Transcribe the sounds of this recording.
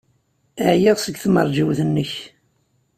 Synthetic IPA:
əʕjiʁsəɡθmə̰ɾˤd͡ʒiwθənːəç

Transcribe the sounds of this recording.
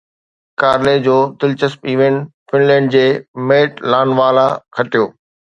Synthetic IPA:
kaːɾled͡ʑoːd̪ɪlt͡ɕəspiːʋẽɳʈ | fɪnlɛ̃ːɳɖ̚d͡ʑeːmeːʈlaːnʋaːlakʰɐʈijoː

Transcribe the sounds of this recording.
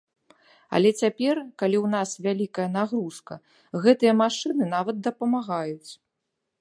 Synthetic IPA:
ɐ̰lʲɛt͡sʲapʲɛrkalʲiwn̪asvʲalʲikɐjɐnaɣɾuskɐ̰ | ɣɛt̪ɨjɐmaʂɨnɨn̪avɐt̪̚d̪ɐpɐmaɣajut͡sʲ

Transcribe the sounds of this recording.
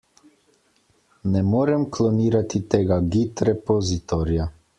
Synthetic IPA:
nɛmoːɾɛmklɔniːɾat̪it̪eːɡaɡit̪ɾɛpɔzit̪ɔɾja

